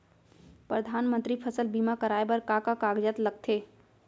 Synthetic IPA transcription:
pɾəd̪ʱaːnmə̃nt̪ɾipʰəsəlbimakəɾaːebəɾkakakaːɡd͡ʒət̪ləɡ̚t̪ʰeː

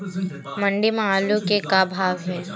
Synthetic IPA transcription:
mɐɳɖimãaːlõkekabʱaːʋɦɛː

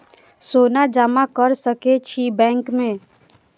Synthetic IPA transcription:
soːnad͡ʒamakəɾsəket͡ʃʰibɛ̃ːŋkmẽː

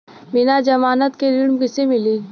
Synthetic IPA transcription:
bɪnad͡ʒɐmaːnət̪keɾɪɽmkɪsemɪliː

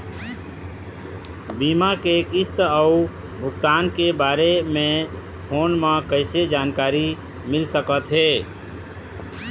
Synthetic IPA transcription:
biːmakekɪst̪əu | bʱʊɡt̪aːnkebaːɾemẽ | pʰoːnmãkəɪsed͡ʒaːnkaːɾi | mɪlsəkət̪ɦeː

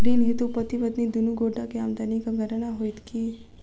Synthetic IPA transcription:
ɖinɦet̪upət̪iʋəd̪nid̪unuɡoɖakeamd̪anikaɡʱəɾɳ̃aɦojt̪ki

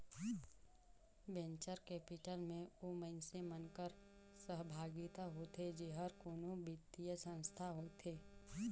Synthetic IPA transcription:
bẽɲt͡ʃəɾkɛːpɪʈəlmẽoməɪnsemənkəɾ | səɦbʱaːɡɪt̪aɦot̪ʰed͡ʒeːɦəɾkoːnõbɪt̪ijəsə̃nst̪ʰaɦoːt̪ʰeː

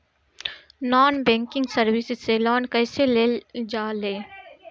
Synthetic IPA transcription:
nɔːnbɛ̃ːŋkɪ̃ŋɡsəɾwɪsɪzselɔːnkɛːseled͡ʒaːleː

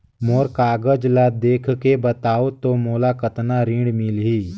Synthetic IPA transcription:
moːɾkaːɡəd͡ʒlad̪eːkʰkebət̪aːot̪omoːlakət̪naɾĩːɽmɪlɦiː

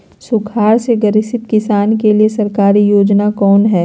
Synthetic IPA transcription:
sʊkʰaːɾseɡɐɾɪsɪt̪kɪsaːnkeliesɐɾkaːɾijoːd͡ʒnakɔːnɦɛː

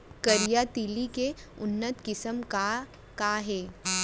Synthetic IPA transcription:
kəɾijat̪ilikeʊnːət̪kɪsəmka | kaɦeː

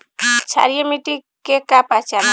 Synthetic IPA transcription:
t͡ʃʰa̰ɾijemiʈikekapat͡ʃan

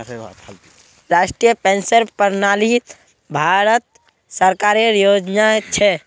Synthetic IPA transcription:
ɾaːʃʈɾijəpẽːnsəɾpəɾnaːli | bʱaɾət̪̚ | səɾkaɾeɾjod͡ʒnat͡ʃʰɛ

